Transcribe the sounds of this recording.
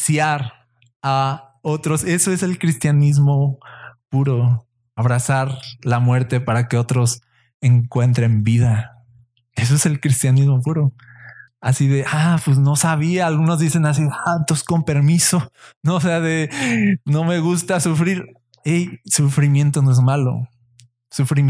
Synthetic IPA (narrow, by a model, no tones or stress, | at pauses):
sjaɾ | a | o̞t̪ɾo̞se̞so̞ese̞lkɾist̪janizmo̞puɾo̞ | aβɾasaɾlamwe̞ɾt̪e̞paɾake̞o̞t̪ɾo̞s | eŋkwe̞nt̪ɾe̞mbiða | e̞s̬o̞ese̞lkɾist̪janizmo̞puɾo̞ | a̰siðe̞ʔapwesno̞saβ̞iaːlɣuno̞zðise̞nas̬iðat̪osko̞mpe̞ɾmiso̞noːse̞aðe̞no̞me̞ɣust̪asufɾiɾ | ejsufɾimje̞nt̪onoe̞zmalo̰ | sufɾi